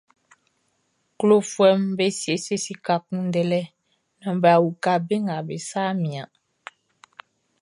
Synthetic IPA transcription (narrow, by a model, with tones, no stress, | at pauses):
klo˦˨fwɛ˦m˦be˦si˨e˨se˦si˦ka˨kũ˦n˦dɛ˦lɛ˦ | nɔ̃˨m˨bɛ˨a˨wu˨ka˦be˦ŋɡa˨be˨saː˦mĩ˨a˨